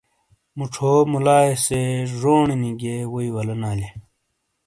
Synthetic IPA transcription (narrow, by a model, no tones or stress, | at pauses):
muʈ͡ʂʰoːmulaːeseʐoːɳiniɡewoiwɐlɐnaːle